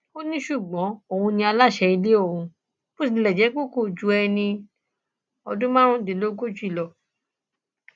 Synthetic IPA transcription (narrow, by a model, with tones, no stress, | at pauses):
o˦nĩ˦ʃu˦˨ɡ͡bɔ̃˨˦o˦˨ũ˧nĩ˧a˧la˦˨ʃɛ˧i˧le˦o˦˨ũ˧ | bo˦s̬ĩ˨˧˦lɛ˨d͡ʒɛ˨˦k͡po˦˨ko˦˨d͡ʒu˨˦ɛ˧nĩ˧ | ɔ̰˧dũ˦mã˦ɾ̃ũ˦˨dĩ˨lo˦ɡo˦˨d͡ʒu˦i˦˨lɔ˧˨